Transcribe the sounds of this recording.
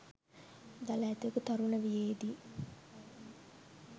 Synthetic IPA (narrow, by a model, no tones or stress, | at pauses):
d̪alaːt̪iekut̪ɐɾunəʋijeːd̪i